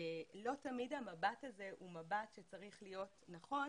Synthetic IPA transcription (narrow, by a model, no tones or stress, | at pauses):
elo̞tamidhamabataze̞ʔumabatʃe̞t͡saʁiχlijo̞tnaχo̞